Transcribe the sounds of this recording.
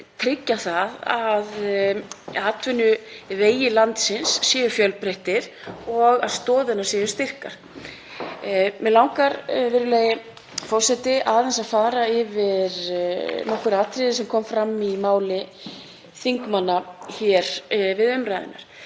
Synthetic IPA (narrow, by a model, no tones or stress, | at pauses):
t̪ʰɾɪcːaθaðað | aːt̪vʏnʏveːjɪlant̪sɪnsːjɛːjʏfjœlpɾɛht̪ɪɾ̥ | ɔɣaðst̪ɔːðɪnasɛːjʏst̪ɪr̥kaɾ̥ | mɛðlawŋkaɾvɪɾʏleːjɪ | fɔr̥sɛt̪ɪaːðɛnsaðfaːɾaɪvɪɾnɔhkvʏɾat̪ʰɾɪðɪsɛmkʰɔːmfɾamːimaːwlɪ | θiŋkmanːaçɛɾ̥vɪðʏmɾajðɪ̰na̰ɾ̥